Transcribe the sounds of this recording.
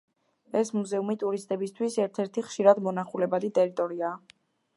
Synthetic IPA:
ɛsmuzɛumit̪ʼuɾist̪ʼɛbist̪ʰwisɛɾt̪ʰɛɾt̪ʰiχʃiɾad̪mɔnaχulɛbad̪it̪ʼɛɾit̪ʼɔɾiaː

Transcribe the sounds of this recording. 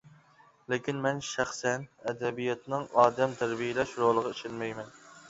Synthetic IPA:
lɪkʲinmɛnʃæχsɛnɛd̪ɛbijɑt̪nɨŋɑːd̪ɛmt̪ʰæɾbijɪlɛʃɾolˠəʁɑiʃenmɛjmɛn

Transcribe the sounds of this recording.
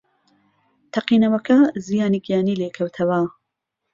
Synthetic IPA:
t̪ʰɐqiːnɐwɐkʰɐzijaːnikjaːniːleːkʰɐwt̪ʰɐwɐ

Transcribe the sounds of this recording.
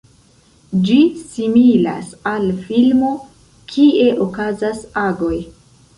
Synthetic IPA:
d͡ʒisimila̰salfilmo̞ | kʰie̞ʔo̞kazasaɡo̞j

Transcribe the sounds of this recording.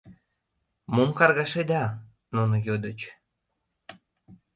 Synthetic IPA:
momkɑrɣɑʃed̪ɑ | nunojod̪ət͡ɕ

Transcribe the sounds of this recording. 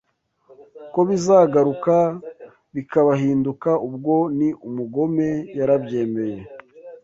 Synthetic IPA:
ko̞βizaːɡaɾuka | βikaβaɦiːndukaubɡo̞niʔumuɡo̞me̞jaɾabɟe̞ːme̞je̞

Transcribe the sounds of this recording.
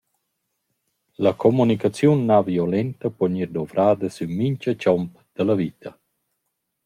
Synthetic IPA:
lakʰomunikat͡sjunːaviolɛnt̪əpɔɲiɾd̪ɔvɾaːd̪əsymiɲt͡ʃət͡ʃɔmp | d̪̥əlavit̪ɐ

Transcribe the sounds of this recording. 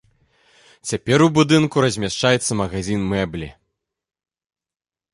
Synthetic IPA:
t͡sʲapʲɛɾubud̪ɨnkuɾɐzʲmʲaʂt͡ʂajɛt̪sːɐmɐɣazʲinmɛblʲḭ

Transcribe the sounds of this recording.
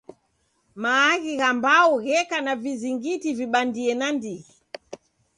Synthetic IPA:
maːɣiɣambauɣɛkanaviziŋɡitiviɓandiɛnandiɣi

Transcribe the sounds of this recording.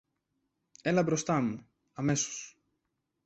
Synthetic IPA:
e̞lɐbɾo̞st̪ɐmu | ɐme̞so̥s

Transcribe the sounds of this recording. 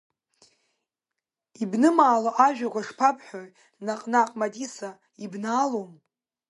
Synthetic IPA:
ibnɨmaːloʔaʒᶣaʁʷaʂpʰapʰʼħʷᶣoj | naqʼnaqʼmadisa | ibnaːlom

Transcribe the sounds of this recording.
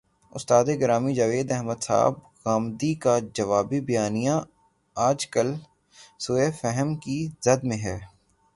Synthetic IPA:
ʊ̰st̪aːd̪eɡɐɾaːmid͡ʒɐʋeːd̪ɛɦməd̪sa̰ːb̚ | ɣaːmd̪ikad͡ʒɐʋaːbibɐjaːnijã | aːd͡ʒkəl | soːefɛɦəmkizɐd̪mẽɦɛː

